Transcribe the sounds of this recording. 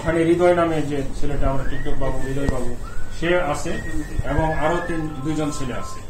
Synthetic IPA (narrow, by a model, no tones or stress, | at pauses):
kʰaneɾid̪ɔjnamed͡ʑet͡ɕʰileʈaamɾaʈik̚ʈɔk̚babuɾid̪ʱɔjbabuʃeasʰeɛboŋaɾot̪ind̪ujd͡ʑont͡ɕʰilea̰sʰe